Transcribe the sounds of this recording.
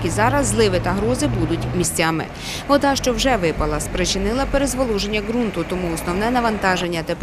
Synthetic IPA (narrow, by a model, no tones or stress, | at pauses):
kʲizɑɾɐzːlˠɪʋɪt̪ɐɦɾɔzɪbud̪ʊtʲmʲisʲt͡sʲamɪ̰ | ɔd̪ɑʃt͡ʃɔwʒɛʋɪpɐlˠɐspɾet͡ʃɪnɪlˠɐpeɾezʋɔlˠuʒe̞nʲːɐɡɾunt̪ʊt̪ɔmuɔsnɔwnɛnɐʋɐnt̪ɑʒenʲːɐt̪ep